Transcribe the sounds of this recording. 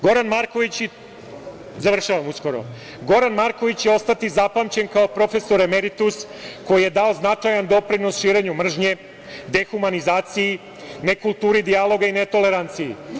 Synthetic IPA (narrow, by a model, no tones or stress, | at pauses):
ɡo̞ɾanmaɾko̞ʋit͡ɕ | zaʋr̩ʃaʋamusko̞ɾo̰ | ɡo̞ɾanmaɾko̞ʋit͡ɕjeo̞st̪at̪izapamt͡ɕe̞nkaopɾo̞fe̞so̞ɾemeɾit̪us | ko̞jije̞d̪ao̞znat͡ʂajand̪o̞pɾinosʃiːɾe̞ɲumr̩ʒɲe̞ | d̪e̞xumanizaːt̪siji | ne̞kulˠt̪uːɾid̪ialˠo̞ɡainet̪o̞le̞ɾant̪sijḭ